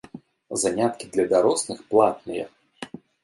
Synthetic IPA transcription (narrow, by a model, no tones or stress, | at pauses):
zanʲat̪kʲid̪lʲɐd̪aɾɔsnɨxplˠat̪̚nɨjɛ̰